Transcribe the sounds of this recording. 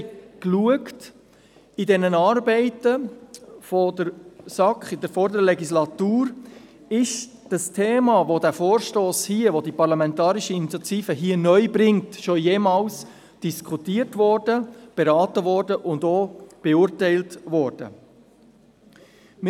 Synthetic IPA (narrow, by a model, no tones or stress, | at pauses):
kluəkt | idɛnənɑːɾbɛɪtə | fɔdəɾsɑkχɪdəɾfɔɾdəɾlɛɡislɑtuːɾ | ɪʃ | d̥ɑstʰeːmɑʋodæfoːɾʃtoːshiəʋodipɑɾlɑmɛntɑːɾiʃəinit͡sjɑt̪iːfəɦiːənœʏbɾɪŋtʃojeːmɑːls | d̥iskʰutiːəɾtʋɔrdəb̥eɾɑːtəʋɔɾdəʔʊndoːb̥eʊːɾtɛɪltʋɔːɾd̥ə̰ | m